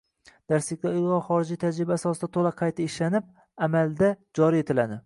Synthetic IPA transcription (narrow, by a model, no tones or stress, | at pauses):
d̪̥aɾsɪkʲlaʊlˠʁɑχɒɾɪd͡ʒijt̪ʰad͡ʒɾɪbaːsɒsɪd̪at̪ʰolˠaqʰɑjt̪ʰɪɪʃlanɪp̚ | amald̪ad͡ʒɒɾije̞t̪ʰɪlad̪ɪ